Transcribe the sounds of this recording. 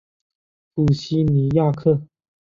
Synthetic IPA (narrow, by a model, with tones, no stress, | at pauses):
pu˨˩ɕi˥ni˧˥ja˥˧kʰɤ˥˩